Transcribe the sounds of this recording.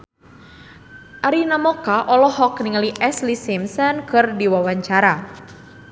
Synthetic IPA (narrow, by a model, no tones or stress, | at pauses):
ʔaɾinamɔkaʔɔlɔɦɔkniŋaliʔɛslisimsɔnkɨrdiwawaɲt͡ʃaɾa